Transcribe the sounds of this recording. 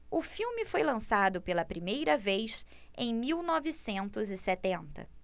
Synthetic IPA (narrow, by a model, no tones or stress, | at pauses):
ʊfiwmɪfojlɐ̃sad̪ʊpelɐpɾimejɾɐvejs | ḛ̃j̃miwnɔvɪsẽnt̪ʊzɪsɛt̪ẽnt̪ɐ̰